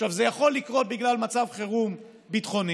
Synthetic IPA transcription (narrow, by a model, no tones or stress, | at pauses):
ʃavzejaχo̞lːikʁo̞t̪̚biɡlalmat͡savχeʁum | bit̪χo̞ni